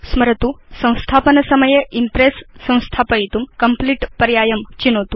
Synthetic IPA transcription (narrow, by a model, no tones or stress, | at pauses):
sməɾt̪usə̃w̃st̪ʰapənəsəməjeʔimpɾesːə̃w̃st̪ʰapəit̪uːmkəmpliʈpəɾjajəmt͡ɕinot̪u